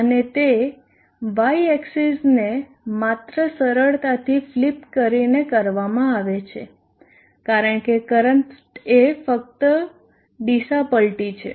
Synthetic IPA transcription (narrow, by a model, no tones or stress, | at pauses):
ənet̪e | ʋaieksizne | mat̪ɾəsəɾəɭt̪at̪ʰiflipkəɾinekəɾʋamãaʋet͡ʃʰe | kaɾəɳkekəɾənʈ | efək̚t̪ə | ɖisapəlʈit͡ʃʰḛ